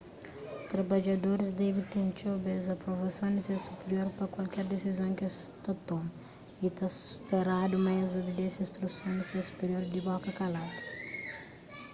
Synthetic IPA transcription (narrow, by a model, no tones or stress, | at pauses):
t̪ɾɐbad͡ʒɐd̪oɾɪzd̪ɛbit̪ẽnt͡ʃobezɐpɾovɐsõw̃d̪ɪsesupeɾioɾpɾɐkwalkɛɾd̪esizõw̃kest̪ɐt̪omɐ | it̪asu̥peɾad̪umajɐzobed̪ɛ̃sɐ̃ĩst̪ɾusõw̃d̪ɪsesu̥peɾioɾd̪ɪbɔkɐkalad̪ɐ̥